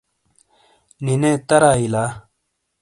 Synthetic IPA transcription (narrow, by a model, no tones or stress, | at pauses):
ninet̪ɐɾaːilaː